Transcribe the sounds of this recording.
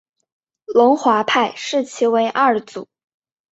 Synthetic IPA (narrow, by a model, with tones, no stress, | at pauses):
lʊ˧˥ŋxwa˧˥pʰa˥˧ɪʂɻ̩˥˩t͡ɕʰi˧˥we˧˥ɪʔa˥˩t͡su˨˩˦